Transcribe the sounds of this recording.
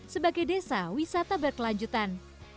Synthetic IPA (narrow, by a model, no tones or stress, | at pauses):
səbaɡajdesawisat̪abərkəlaɲd͡ʒut̪an